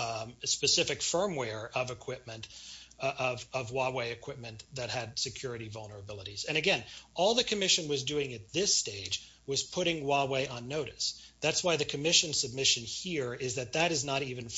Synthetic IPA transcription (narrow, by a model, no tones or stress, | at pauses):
spɨsɪfɨkfɜ̃˞mwɛɹʌvɨkʰw̥ɪp̚mɨ̃nt | ʌvʌvwɑweɪɨkʰw̥ɪp̚mɨ̃nðɨt̚hɨd̥sɨkʰj̥ʊɹɨɾivʌlˠnə˞ɨbɪlˠəɾiz̥ɨ̃ñɨɡɛ̃nɔlˠðɨkʰɨmɪʃɨ̃nwʌzdʉɪ̃ŋɨt̪̚ðɪsteɪd͡ʒ | wʌz̥pʰʊɾɪ̃ŋwɑweɪʔə̃nːoʊɾɨsðætswaɪðɨkʰɨmɪʃɨ̃nsɨb̚mɪʃɨ̃nhiɹɪzðɨt̪̚ðɨɾɨznəɾivɨ̃n